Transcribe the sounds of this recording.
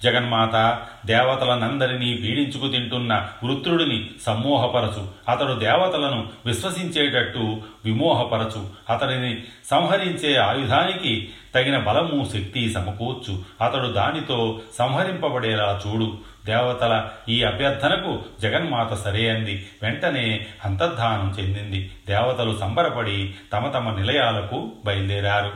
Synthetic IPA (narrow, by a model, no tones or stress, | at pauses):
d͡ʒɛɡɐnmaːt̪ɐ | d̪ɛːʋɐt̪ɐlɐnɐnd̪ɐɾinipiːɽiɲt͡ʃukut̪iɳʈunːɐʋɾut̪ɾuɽɐnisɐmːɔːɦɐpɐɾɐt͡ʃuɐt̪ɐɽud̪ɛːʋɐt̪ɐlɐnuʋiʃʋɐsiɲt͡ʃeːʈɐʈːuʋimɔːɦɐpɐɾɐt͡ʃuɐt̪ɐɽinisɐ̃w̃ɦɐɾiɲt͡ʃeːaːjud̪ʱaːnikit̪ɐɡinɐbɐlɐmuʃek̚t̪isɐmɐkuːt͡ʃːuɐt̪ɐɽud̪aːnit̪o̞ːsɐw̃ɦɐɾimpɐbɐɽɛːlaːt͡ʃuːɽu | d̪ɛːʋɐt̪ɐlɐiːɐbʱjɐd̪ʱɐnɐkud͡ʒɐɡɐnmaːt̪ɐsɐɾeːɐnd̪iʋeɳʈɐne̞ːɐnt̪ɐd̪ʱːaːnɐmt͡ʃe̞nd̪ind̪id̪ɛːʋɐt̪ɐlusɐmbʱɐɾɐpɐɽit̪ɐmɐt̪ɐmɐnilɐjaːlɐkubɐjɐld̪ɛːɾaːɾu